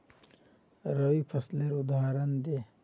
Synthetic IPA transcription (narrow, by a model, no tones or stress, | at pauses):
ɾɐwipʰɐsleɾud̪ʱaːɾɐnd̪e